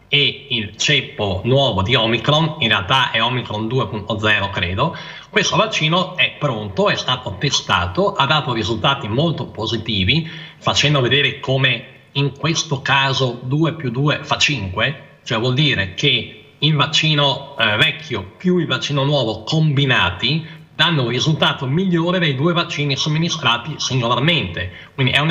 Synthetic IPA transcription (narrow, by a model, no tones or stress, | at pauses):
eilt͡ʃɛpːonwɔːvod̪iɔmikɾoninrealt̪aʔɛɔmikɾond̪uːepunt̪od̪zɛːɾokɾeːd̪o | kwest̪ovat͡ʃːiːnoɛpːɾont̪oɛst̪aːt̪ot̪est̪a̰ːt̪oʔad̪ːaːt̪orizult̪aːt̪imolt̪opozit̪iːvifat͡ʃɛnd̪oved̪eːɾekome | iŋkwest̪okaːzod̪uːepjud̪ːuːefat͡ʃːiŋkwe | t͡ʃoɛvwɔld̪iːɾekʰe | ilvat͡ʃːiːnovɛkʰːjopjuilvat͡ʃːiːnonwɔːvokombinaːt̪i | d̪anːorizult̪aːt̪omiʎːoːɾed̪ejd̪uːevat͡ʃːiːnisomːinist̪ɾaːt̪isiŋɡolarment̪e | kwindiʔɛun